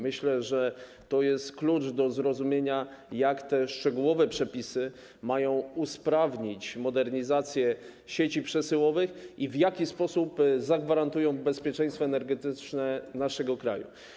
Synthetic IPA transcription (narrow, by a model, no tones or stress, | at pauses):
mɘɕlɛʐɛ | t̪ɔjɛst̪klut͡ʂd̪ɔzɾɔzumʲjeɲa | jakt̪ɛʂt͡ʂɛɡuwɔvɛpʂɛpʲisɘ | majɔ̃w̃uspɾavɲit͡ɕmɔd̪ɛɾɲizat̪sʲjɛ | ɕet͡ɕipʂɛsɘwɔvɘxivjakʲispɔsupzaɡvaɾant̪ujɔ̃w̃bɛspʲjɛt͡ʂɛ̃j̃st̪fɔɛnɛɾɡɛt̪ɘt͡ʂnɛnaʂɛɡɔkɾa̰jṵ